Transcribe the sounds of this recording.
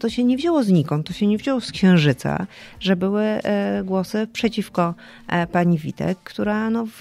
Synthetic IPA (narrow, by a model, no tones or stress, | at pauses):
t̪ɔɕɛɲɛvʑawɔzɲikɔ̃wt̪ɔɕɛɲɛvʑɔwɔskɕɛ̃w̃ʐɘt̪sa̰ʐɛbɘwɘɡwɔsɘpʂɛt͡ɕifkɔ | paɲivʲḭt̪ɛ̰kːt̪uɾanɔv